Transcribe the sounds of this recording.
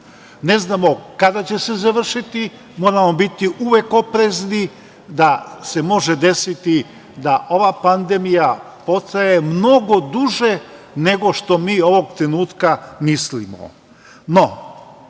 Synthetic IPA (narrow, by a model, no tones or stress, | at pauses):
ne̞znaːmo̞kad̪at͡ɕe̞se̞zaʋr̩ʃit̪i | mo̞ːɾamo̞bit̪iʔuʋe̞ko̞pɾe̞zni | d̪ase̞mo̞ʒe̞d̪e̞sit̪i | d̪aʔo̞ʋapand̪e̞mija | po̞st̪aje̞mno̞ɡo̞d̪uʒe̞ | ne̞ɡo̞ʃt̪o̞miːo̞ʋo̞ɡt̪ɾe̞nuːt̪kamislḭmo̰ | no̞